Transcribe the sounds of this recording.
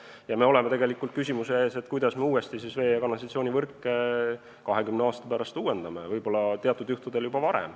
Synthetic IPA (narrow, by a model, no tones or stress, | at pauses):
jɑme̞o̞le̞met̪e̞ɡe̞likːˑult̪̚kys̬ʲimuseeːse̞t̪kujd̪̥ɑsme̞uːest̪isisve̞ːjɑkɑnːɑs̬ɑt̪sio̞ːnʲivɤrkːˑe | kɑɦe̞kymneɑːst̪ɑ̥pæɾɑst̪uːwe̞nd̪̥ɑme̞̰vɤjb̥o̞lːɑt̪eɑt̪ːˑud̪juht̪ud̪̥e̞ljubɑvɑɾḛm